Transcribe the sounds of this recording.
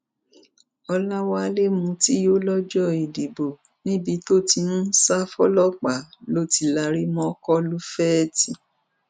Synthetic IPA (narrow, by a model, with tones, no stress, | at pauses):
ɔ˧la˦wa˧le˦mũ˧ti˦jo˦lɔ˦d͡ʒɔ˦i˨di˨bo˨ | nĩ˦bi˧to˦ti˧nũ˦sa˦fɔ˦lɔ˦k͡pa˨lo˦ti˧la˧ɾi˦mɔ̃˧˦kɔ˦lu˦fɛ˦ti˧